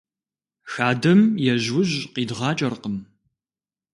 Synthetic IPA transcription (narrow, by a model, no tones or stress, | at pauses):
xaːdɐmjɛʒʊʑqiːdʁɑːt͡ʃʼɐrqəm